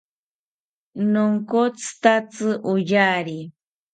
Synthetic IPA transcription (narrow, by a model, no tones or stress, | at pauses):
noŋkot͡st̪at͡sɨʔujaːɾi